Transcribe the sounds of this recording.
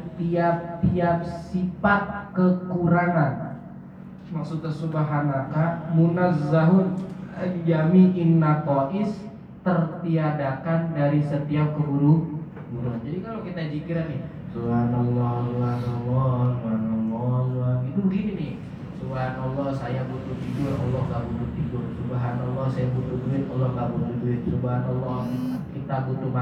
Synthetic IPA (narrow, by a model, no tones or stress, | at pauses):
t̪iap̚t̪iap̚ssifat̪̚kəkuɾaŋan | maksut̪asubaɦanakamunazaɦʊnald͡ʒamiʔɪnːak̪ɔʔɪs | t̪ərt̪iadakandaɾisət̪iap̚kəbuɾukbuɾuɦand͡ʒadikalokit̪ad͡ʒikiɾanɪh | subɦanɔlːɔhsubanɔlːɔsubɦanɔlːɔlait̪uɡininɪh | subaɦanɔlːɔhsajabut̪ut̪ibʊrɔ̰lːɔhɡabut̪ut̪ibʊrsubaɦanɔlːɔhsajabut̪uduɪt̪ɔlːɔhŋabut̪uduɪt̪̚subaɦanɔlːɔhkit̪abut̪uma